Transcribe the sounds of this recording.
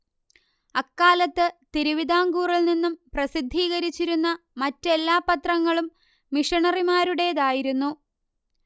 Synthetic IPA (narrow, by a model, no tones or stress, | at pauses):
ɐkːaːlɐt̪ːɨt̪iɾuʋid̪ʱaːŋɡuːrilninːumprɐsid̪ʱːiːɣɐɾit͡ɕːiɾunːɐ | mɐtːe̞lːaːpɐt̪rɐŋːɐɭumː | iʂɐɳɐrimaːɾuɽe̞ðaːjiɾunːu